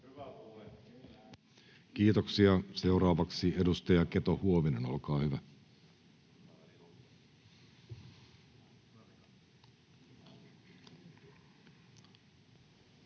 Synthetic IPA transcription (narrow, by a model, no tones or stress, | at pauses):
k̟iːt̪o̞ksiɑse̞uɾɑːʋɑksiedust̪ɑjɑke̞t̪ohuoʋine̞no̞̰lkɑːhyʋæ